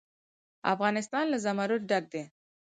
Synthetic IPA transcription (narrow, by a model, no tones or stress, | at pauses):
a̰fɣɑnɪst̪ɑnlazamaɾʊt̚ɖaɡ̚d̪e